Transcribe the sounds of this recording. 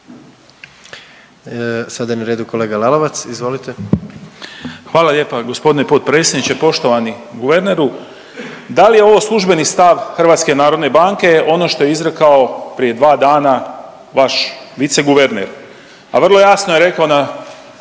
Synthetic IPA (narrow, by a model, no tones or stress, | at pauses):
sad̪ajenaɾeːd̪uko̞leːɡalaloʋat̪sizʋo̞lit̪e | xʋaːlalje̞ːpaɡo̞spo̞d̪inepoːt̪̚pɾetsjenit͡ɕe̞po̞ʃt̪o̞ʋaniɡuʋe̞ɾneɾu | d̪alijeo̞ʋo̞slˠuʒbe̞nist̪aʋxr̩ʋaːt̪ske̞naːɾo̞d̪ne̞baŋke̞ʔo̞no̞ʃt̪o̞jeizɾe̞kao̞pɾije̞d̪ʋaːd̪aːna | ʋaʃʋit̪se̞ɡuʋeɾnḛɾ | aʋr̩lˠo̞jasnojeɾe̞kaona